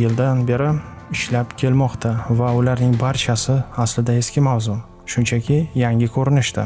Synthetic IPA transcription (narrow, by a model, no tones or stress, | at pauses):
jɪld̪anbe̞ɾɪ | ɪʃlapkʲʰe̞lmɒqt̪ʰavaʊlaɾnɪŋbaɾt͡ʃʰasɪaslɪd̪ae̞skʲɪmawzʊ | ʃʊnt͡ʃʰakʲʰɪjaŋʲɪkʰɵɾɪnɪʃd̪ɪ